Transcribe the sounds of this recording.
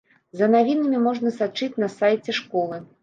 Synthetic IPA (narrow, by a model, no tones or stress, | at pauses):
zɐnavʲinɐmʲimɔʐnɐsat͡ʂɨt͡sʲnɐsajt͡sʲɛʂkɔlˠɨ